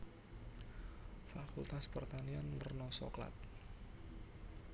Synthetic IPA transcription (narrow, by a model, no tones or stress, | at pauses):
fakult̪aspərt̪anianmərnɔsɔ̰kla̰t̪̚